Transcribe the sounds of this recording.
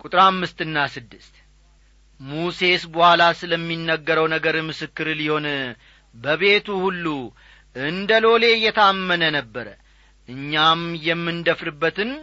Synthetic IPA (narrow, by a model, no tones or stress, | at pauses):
kʼut̪ʼɨɾamːɨst̪ɨnːasɨd̪ːɨst̪ | muse̞sbəhʷalasɨləmːinːəɡːəɾəwnəɡəɾmɨsɨkːɨɾliho̞n | bəβe̞t̪uhulːu | ʔɨnd̪əlo̞le̞jːɛt̪ʰəamːənənəbːəɾə | ʔɨɲːamjɛmːɨnd̪əfɾɨbːət̪ɨn